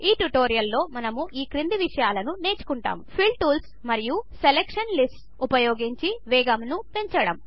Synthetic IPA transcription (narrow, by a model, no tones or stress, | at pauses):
iːʈuʈoːɾijɐlːo̞ːmɐnɐmuʔiːkɾind̪iʋiʂɐjaːlɐnune̞ːt͡ʃu̥kuɳʈa̰ːmpʰilʈuːls | mɐɾijuselekʂɐnlisʈ | upɐjoːɡiɲt͡ʃiʋɛːɡɐmnupeɲt͡ʃɐɽɐm